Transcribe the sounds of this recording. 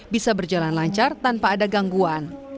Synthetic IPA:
bisabərd͡ʒalanlaɲt͡ʃart̪anpaːdaɡaŋɡuan

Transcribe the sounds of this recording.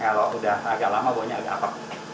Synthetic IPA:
kaloʔudahaɡaʔlamaboaɲaːɡaʔapak̚

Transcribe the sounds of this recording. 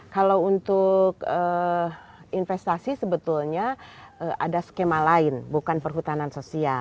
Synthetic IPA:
kalawunt̪ʊkə | infɛst̪asisəbət̪ulɲaəʔadaskemalaɪnbukanpərɦut̪anansosia

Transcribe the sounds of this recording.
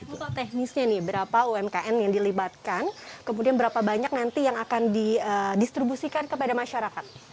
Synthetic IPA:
ut̪ot̪ɛhnisɲanɪhbəɾapauɛmkaʔɛnjaŋdilibat̪̚kankəmudianbəɾapabaɲak̚nant̪ijaŋakandiədist̪ɾibusikankəpadamaʃaɾakat̪̚

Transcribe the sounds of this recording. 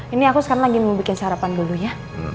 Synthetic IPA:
iniakusə̥kaɾaŋlaɡimubikɪnsəɦaɾapanduluja

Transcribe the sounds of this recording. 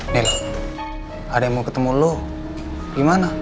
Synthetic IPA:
nelo | ademukət̪əmulo | ɡimana

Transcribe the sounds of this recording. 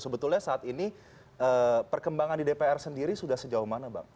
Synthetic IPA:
səbət̪ʊlɲasaːt̪ini | ʔəːpərkəmbaŋandidepeɛrsəndiɾisudahsəd͡ʒauhmanaba̰ŋ

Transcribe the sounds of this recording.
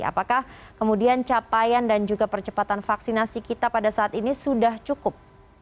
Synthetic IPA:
a̰pakah | kəmudiant͡ʃapajandand͡ʒuɡapərt͡ʃəpat̪anfaksinasikit̪apadasaːt̪inisudaht͡ʃukʊp̚

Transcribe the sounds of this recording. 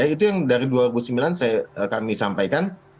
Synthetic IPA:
ait̪ujaŋdaɾiduaɾibusəmbilansajaəkamisampajkan

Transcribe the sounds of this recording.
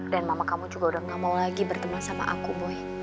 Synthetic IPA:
danmamakamud͡ʒuɡaudahŋamawlaɡibərt̪əmahsama̰ʔa̰kuboɛ

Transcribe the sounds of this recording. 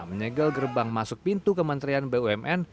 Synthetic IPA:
məɲəɡəlɡərbaŋmasʊk̚pint̪ukəmənt̪ɾianbeuɛmʔɛn

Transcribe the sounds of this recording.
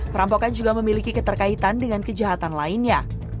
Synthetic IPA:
pəɾampokand͡ʒuɡaməmilikikət̪ərkait̪andəŋankəd͡ʒaɦat̪anlaɪnɲa

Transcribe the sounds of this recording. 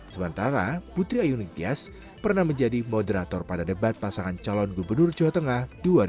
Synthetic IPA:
səmənt̪aɾaput̪ɾiajunit̪ias | pərnahməɲd͡ʒadimɔdəɾat̪ɔrpadadəbat̪̚pasaŋant͡ʃalɔnɡubərnʊrd͡ʒɔwat̪əŋahduaɾi

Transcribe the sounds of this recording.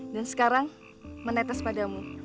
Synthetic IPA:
dansə̥kaɾaŋ | mənɛt̪ɛspadamu

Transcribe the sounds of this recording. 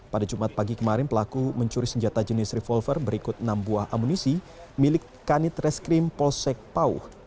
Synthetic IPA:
padad͡ʒumat̪̚paɡikəmaɾɪnpəlakuməɲt͡ʃuɾisəɲd͡ʒat̪ad͡ʒənɪsrɛfɔlfərbəɾikʊt̪̚nambuahʔa̰munisi | milɪkːanɪt̪rɛskɾɪmpɔlsɛk̚paṵh

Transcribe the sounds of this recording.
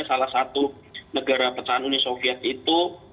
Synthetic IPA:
salahsat̪u | nəɡaɾapət͡ʃaɦanunisofiɛt̪it̪u

